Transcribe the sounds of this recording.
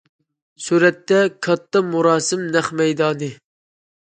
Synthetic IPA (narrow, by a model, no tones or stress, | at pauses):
suːɾɛt̪ːɛkʰɑt̪ːɑmuɾɑːsɪmnæχmɛjd̪ɑːnɨ